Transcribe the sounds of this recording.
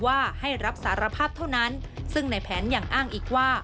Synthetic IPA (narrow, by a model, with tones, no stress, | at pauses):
waː˥˩ha˥˩jɾa˦˥p̚saː˩˦˥ɾa˧pʰaː˥˩p̚t̪ʰa˥˩wna˦˥nsɯ˥˩ŋna˧˩jpʰɛː˩˦njaː˨˩ŋʔaː˥˩ŋʔiː˨˩k̚waː˥˩